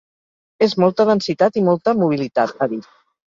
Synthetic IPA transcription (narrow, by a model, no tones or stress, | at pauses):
ezmɔlˠt̪əðənsit̪at̪imɔlˠt̪əmuβ̞ilit̪at̪̚əβis